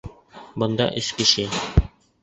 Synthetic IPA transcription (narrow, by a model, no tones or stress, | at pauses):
bŏnd̪ɑ̰ʔɘ̆skɘ̆ʃɘ